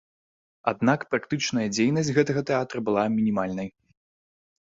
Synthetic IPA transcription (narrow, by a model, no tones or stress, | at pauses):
a̰d̪nakpɾakt̪ɨt͡ʂnɐjɐd͡zʲejnɐsʲtʲɣɛt̪ɐɣɐt̪ɛat̪ɾɐbɨlˠamʲinʲimalʲnɐj